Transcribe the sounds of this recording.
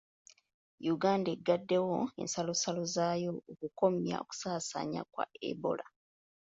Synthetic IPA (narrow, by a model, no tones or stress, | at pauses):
juɡaːndeɡːadːe̞woe̞̰nsalo̞salo̞zaːjo̞okuko̞mja̰o̰ku̥saːsa̰ɲa̰kwa̰ḛbo̞̰la